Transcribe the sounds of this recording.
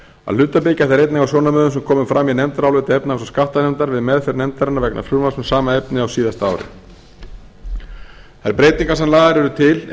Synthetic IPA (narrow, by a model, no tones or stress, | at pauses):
a̰ðlʏːt̪apɪcaθɛɾejt̪nɛŋkawsjɔwnamœːðʏmsɛmkʰɔːmʏmfɾamːinɛmt̪aɾawlʏːt̪aɛpnaasɔskafht̪anɛmt̪aɾvɪðmɛðfɪɾɪnɛmt̪aɾanavɛkna̰fɾuːɾmasmɛsaːmaɛpnɪawsiːðast̪aa̰ːwɾɪ̰ | θajɾpɾeːjt̪iŋkasɛmlaːðaɾɛɾʏt̪ʰɪl